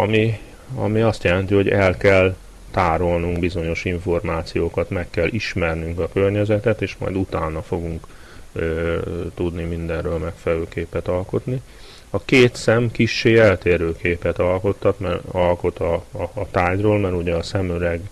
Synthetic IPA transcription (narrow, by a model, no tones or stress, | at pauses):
ɒmi | ɒ̰miɒst̪jɛlɛnt̪iɦo̞ɟɛ̰lkɛl | t̪aːɾo̞lnuŋɡbizo̞ɲo̞ʃiɱfo̞rmaːt̪sijoːkɒt̪mɛkːɛlːʔiʃmɛrnyŋkɒkørɲɛzɛt̪ɛt̪eːʃmɒ̰jd̪ut̪aːnɒfo̞ɡuŋk | t̪ud̪nimind̪ɛnøːlmɛkfɛlɛløːkeːpɛt̪ɒlko̞t̪ni | ɒkeːt̪sɛmkiʃːeːɛlt̪eːɾøːkeːpɛt̪ɒlko̞t̪ːɒt̪mɛɒlko̞t̪ɒːt̪aːɟroːlmɛɾuɟɛɒsɛmøɾɛɡ